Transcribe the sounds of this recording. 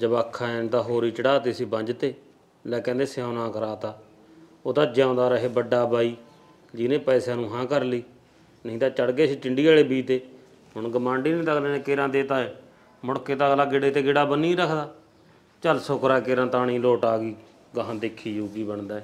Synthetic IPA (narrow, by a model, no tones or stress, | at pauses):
d͡ʒəbaːkʰːaːnt̪aːɦoːɾiːt͡ʃəɽaːt̪eːsiːbə̃ɲd͡ʒt̪eː | lɛːkɛ̃ːnd̪eːseãːnãːkəɾaːt̪aː | oːt̪aːd͡ʒãːnd̪aːɾəɦeːbəɖaːbaːiː | d͡ʒɪnẽːpɛːsaːnũːɦãːkəɾliː | nəɦĩːt̪aːt͡ʃəɽɡeːsiːʈɪɳɖiːaːɽeːbiːt̪eː | ɦʊɳɡəmãːɳɖiːnĩːt̪əkleːnẽːkeːɾãːd̪eːt̪aːeː | mʊɽkeːt̪aːɡlaːɡɪɽeːt̪eːɡɪɽaːbənːĩːɾəkʰd̪aː | t͡ʃəlsokɾaːɛːkeːɾãːt̪aːɽĩːloːʈaːɡiː | ɡəɦãːd̪ekʰːiːjuːɡiːbəɳd̪aːɛː